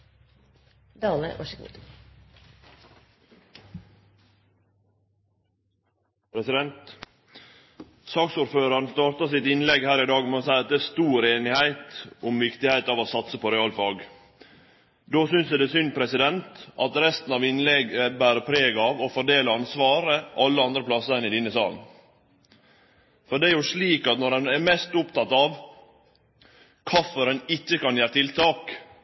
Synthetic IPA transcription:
d̪ɑːmə̰ʔɑ̰ʂkṵt̪ | pʰɾɛsɪd̪ɛnt̪ | sɑːksuːɾføːɾɑɾɳ̩st̪ɑːɾt̪ɑsɪt̪ɪnlɛɡhæːɾɪd̪ɑːɡmɛoːsæɪɑt̪̚d̪ɛːst̪uːɾeːnɪhæɪt̪ʊmʋɪkt̪ɪhæɪt̪ɑːʋoːsɑt̪səpʰoːɾɛɑːlfɑːɡ | d̪oːsʏnsæd̪ɛsʏnd̪pʰɾɛsɪd̪ɛnt̪ʔɑt̪ɾɛst̪n̩ɑʋɪnlɛɡəbæːɾəpʰɾeːɡɑʋɔfɔɖeːləɑnsʋɑːɾəʔɑlːəɑnd̪ɾəpʰlɑsəɛnɪd̪ɪnəsɑ̰ːln | fɔɖɛæɾjʊʂɭiːkɑt̪nɔɾdɛnɛɾmɛst̪ʊpt̪ʰɑt̪ɑʋ | kʰɑfəɾɛnɪçːəkɑnjæːɾət̪ʰɪlt̪ʰɑːk

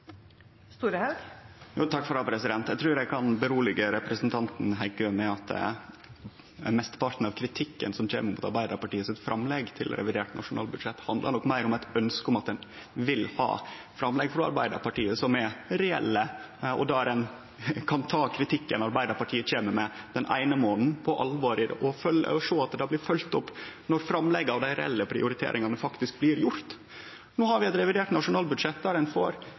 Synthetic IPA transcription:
st̪uːɾəhɑɡjuːt̪ʰɑkːfɾɑpʰɾɛsɪd̪ɛnt̪æɪt̪ɾʉːɾæɪkʰɑnbəɾuːlɪɡəɾɛpɾəsənt̪ʰɑnt̪n̩ɦæɪkøːmɛɑt̪ | mɛst̪ə̥pɑɾʈ̪n̩ɑʋkʰɾɪt̪ʰɪkːə̰nsɔmc͡çʰḛːməɾmuːt̪ɑɾbæɪd̪əɾpɑʈiːəsɪɪt̪fɾʔɑmːlɛɡt̪ʰɪ̰lɾʔɛ̰ʋɪd̪eːʈnʔɑ̰ʂʊnɑ̰ːlbʉd̪ʂɛt̪ːhɑnd̪lə̰nɔkːmæɪɾʊmæt̪œnskəɔmɑt̪̚d̪ɛn | ʋɪlhɑ̰ː | fɾɑmlɛɡfɾɑɑ̰ɾbæɪd̪ə̰ɾpʰɑʈiːəsɔmɛɾɛɛ̰lːə | ɔ̰d̪æɾɛn | kʰɑnt̪ʰɑːkʰɾɪt̪ʰɪkːənɑɾbæɪd̪əɾpɑʈʰiːət͡ɕeːməmɛd̪̥ɛnʔæ̰ɪnəmoːnn̩pʰɔʔɑlʋoːɾɪʔɔfœlːə̰ɾɔʂoːɑt̪̚d̪ɑːblɪɾfœlt̪ɔpːnɔɾfɾɑmlɛɡːəɑʋd̪æɪɾɛ̰ɛ̰lːəpʰɾɪ̰ʊɾɪt̪ʰḛːɾʔɪŋɑnəfɑkt̪ɪsk̚blɪːɾjʊɾt̪ | nuːhɑɾʋɪɛt̪ɾɛʋɪd̪eːʈnɑʂʊnɑːlbʉd̪ʂɛt̪̚ːd̪æɾɛnfoːɾ

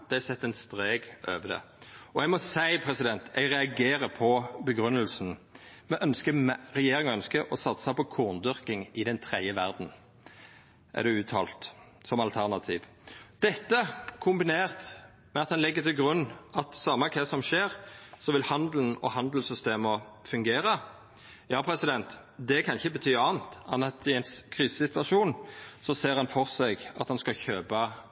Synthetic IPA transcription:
d̪̥ɛæsɛt̪ːɛnst̪ʁeːɡøːʋəd̪ɛ̰ | ɔɛɡmɔsæɪpʰʁɛsɪd̪ɛnt̪ɛɡʁɛɑɡeːɾəpʰɔbəɡʁʉnːəlsn̩mɛʔœnskəmʁɛjeːɾɪŋɔœnskəʔɔsɑt̪sɑpɔkʰuːʁnd̪ʏʁkɪŋɪd̪ɛnt̪ʰʁɛd̪jəʋæʁd̪n̩ | ʔæ̰d̪ɛʉːt̪ʰɑ̰ːlt̪ | sɔmɑlt̪ʰæʁnɑt̪ʰiːʋ | d̪̥ɛt̪ːəkʰʊmbɪneːʁt̪ | mɛɑt̪hɑnlɪɡːət̪ʰɪlɡʁʉnːʔɑt̪sɑmːəkʰɛːsɔmʃeːʁsɔʋɪlhɑnd̪ln̩ɔ̰hɑnd̪əl̩sʏst̪eːməfʉŋɡeːɾə | jɑːpʰɾɛsɪd̪ɛnt̪ | d̪ɛkʰɑnɪçəbət̪ʰyːɑːnt̪ɑnːɑt̪ɪɛɪnskʰʁiːsə̥sɪt̪ʉɑʃuːnsɔseːʁɑnfɔʁsɛɪɡɑ̰t̪hɑnskɑçøːbɑ

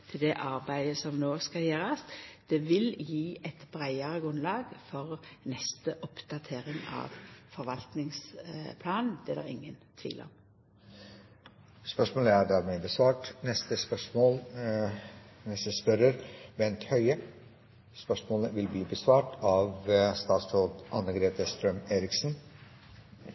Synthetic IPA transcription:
t̪ʰɪld̪ɛʔɑɾbæɪd̪əsɔmnoːskɑljeːɾɑsd̪̥ɛʋɪljiːɛt̪b̥ɾæɪɑʁəɡʁʉnlɑːɡfɔʁnɛst̪əʔɔpd̪̥ɑt̪ʰeːʁɪŋɑ̰ːʋfɔɾʋɑlt̪nɪŋspʰlɑːnn̩d̪̥ɛd̪æ̰ʁɪ̰ŋːənt̪ʰʋḭːlɔ̰m | spœʂmoːləæɖ̪æːɾmɛbəsʋɑːʈnɛst̪əspœʂmoːl | nɛst̪əspœɾəɾʋɛnt̪hœʏə | spœʂmoːləʋɪlbliːbəsʋɑːʈɑːʋst̪ɑːt̪sfoːd̪ʔɑnəɡɾeːt̪əst̪ɾœmeːɾɪksn̩

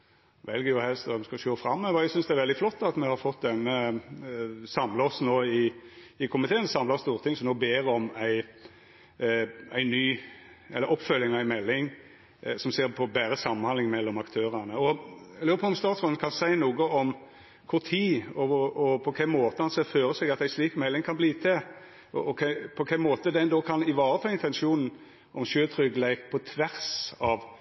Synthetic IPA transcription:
ʋɛlɡəjʊhɛlst̪ɛmskɑʃøːfɾɑmːəʋɔɛɡsʏnsd̪ɛæɾʋɛld̪ɪflɔt̪ːɑt̪mɛhɑɾfɔt̪̚ːd̪ɛnːə | sɑmləɔsnoːɪ | ɪkʰʊmɪt̪ʰeːənsɑmlɑst̪uːʁt̪ʰɪŋsɔmnoːbeːɾɔmæɪ | æɪnyː | ʔɛ̰lːəɾʔɔpːfœlːɪŋɑæɪmɛlːɪŋ | sɔmseːɾpʰɔbæːɾəsɑmːnɑnlɪŋmɛlːɔmɑkt̪ʰøːɾænəɔøːɾəpʰɔːɔmst̪ɑːt̪sʁɔnn̩kʰɑnsæɪnuːɡəɔm | kʰʊʁt̪ʰiːɔɔpʰɔkʰæmoːt̪əhɑnseːføːʁəsɛɡɑt̪æɪsliːkmɛlːɪŋkʰɑnbliːt̪ʰɛ | ʔɔɔkʰæpʰɔkʰæɪmoːt̪əd̪ɛnd̪oːkʰɑnɪʋɑːɾət̪ʰɑːɪnt̪ɛnʃuːnn̩ | ʔɔmʃøːt̪ʰɾʏɡlæɪkpʰɔt̪ʰʋæʁsɑʋ

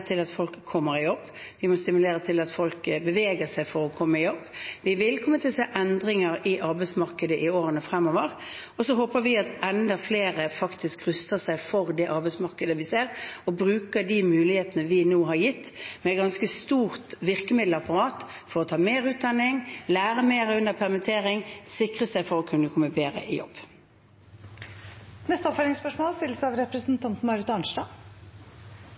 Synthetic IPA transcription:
t̪ʰɪlɑt̪fɔlkʰːɔmːəɾɪjɔbːʋɪmɔst̪ɪmʉleːɾət̪ʰɪlɑt̪fɔlkbəʋeːɡəsæɪfɔɾɔkʰɔmːəɪjɔbːʋɪʋɪlkʰɔmːət̪ʰɪlseːʔɛnd̪ɾɪŋəɾɪʔɑɾbæɪt̪smɑʁkəd̪əʔɪoːɾənəfɾɛmːoːʋəɾ | ɔsɔɦoːpəɾʋɪɑt̪ɛnd̪ɑfleːɾəfɑkt̪ɪskɾʉst̪əsæɪfɔɾd̪ɛʔɑɾbæɪsmɑʁkəd̪əʋɪseːɾɔbɾʉːkəd̪imʉːlɪheːt̪ənəʋɪnoːɦɑɾjɪt̪ːmɛːt̪̚ɡɑnskəst̪uːʁt̪ʋɪʁkəmɪd̪lɑpɑʁɑːt̪fɔʁɔt̪ʰɑːmeːʁʉːt̪̚d̪ɑnːɪŋlæːʁəmeːʁʉnd̪əʁpʰæʁmɪt̪ʰeːʁɪŋsɪkʁəsæɪfɔɾɔkʰʉnːəkʰɔmːəbeːʁə̰ʔɪ̰jɔ̰b̥ː | nɛst̪əɔpfɛlɪŋspœʂmoːlst̪ɪlsɑʋɾɛpɾəsn̩t̪ʰɑnt̪n̩mɑɾət̪ɑɳʂdɑː

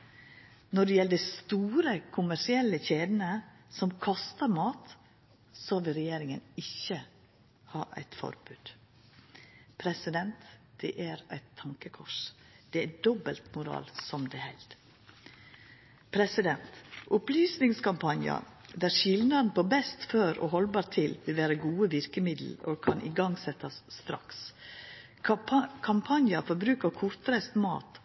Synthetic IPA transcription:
nɔɖɛjɛləd̪æɪst̪uːɾəkʰʊmæʂɪɛlːəçeːd̪n̩ə | sɔmkʰɑst̪əɾmɑːt̪ | sɑʋɪlɾɛjeːɾɪŋənɪçə | hɑːʔæ̰ɪt̪fɔ̰ɾbʉːd̪̥ | pʰɾɛsɪd̪ɛnt̪d̪̥ɛʔæɾæɪt̪ʰːɑŋkəkʰɔʂ | d̪̥ɛæd̪ɔbəlt̪mʊɾɑ̰ːlsɔmd̪ɛhæɪlt̪ | pʰɾɛsɪd̪ɛnt̪ʔʊplyːsnɪŋskʰɑmpʰɑnjɑ̰d̪æʂɪlnɑd̪n̩poːbɛst̪føːɾo̰hɔlbɑːɾt̪ʰɪlʋɪlʋæːɾəɡuːəʋɪɾkəmɪd̪l̩oːkʰɑnʔɪ̰ɡɑŋsɛt̪ɑsːt̪ɾɑ̰ks | kʰɑmpʰɑnjɑfɔɾbɾʉːkəkʰʊɾt̪fɾɛst̪mɑ̰ːt̪

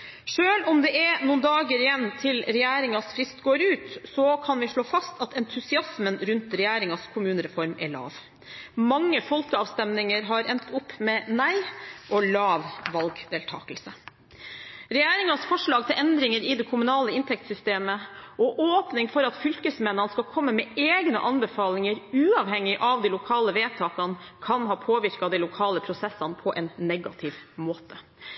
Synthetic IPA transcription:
ʂøːlɔmd̪ɛʔɛɾnuːnd̪ɑːɡəɾɪjɛnːt̪ʰɪlɾɛjæːɾɪŋɑsfɾɪst̪ɡoːɾʉːt̪sɔkʰɑnʋɪʂɭoːfɑst̪ʰɑt̪ʰɛnt̪ʰʉsɪɑsmənɾʉnt̪ɾɛjæːɾɪŋɑskʰʊmʉːnəɾɛfɔɾmɛ̰ɭɑ̰ːʋ | mɑŋːəfɔlkəɑːʋst̪ɛmnɪŋəɾɦɑɾɛnt̪ʰʊpːmɛːnæɪʔɔlɑːʋʋɑlɡd̪eːlt̪ʰɑ̰ːkəlsə | ɾɛjæːɾɪŋɑsfɔʂɭɑːɡ̚t̪ʰɪlʔɛnd̪ɾɪŋəɾɪd̪ɛkʰʊmʉnɑːləɪnt̪ʰɛk̚t̪sʏst̪eːməʔɔʔoːpnɪŋfɔɾɑt̪fʏlkəsmɛnːɑnskɑlkʰɔmːəmɛeːɡnə̰ʔɑnbəfɑːlɪŋəɾʉːɑʋhɛŋːɪʔɑʋd̪ɛlʊkʰɑːləʋeːt̪ʰɑːkɑnkʰɑnɦɑːpʰoːʋɪɾkɑd̪ɛɪlʊkʰɑːləpʰɾʊsɛsɑnpʰɔʔɛnnɛɡɑt̪ʰɪʋmoːt̪ʰə

